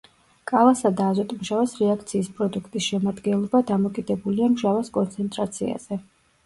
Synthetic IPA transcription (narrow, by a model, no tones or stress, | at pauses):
kʼalˠasad̪aːzɔt̪ʼmʒavasɾɛak̚ʰt̪sʰiːspʼɾɔd̪ukʰt̪ʼisʃɛmad̪ɡɛnlˠɔbad̪amɔkʼid̪ɛbuliamʒavaskʼɔnt̪sʰɛnt̪ʼɾat̪sʰia̰z̥ɛ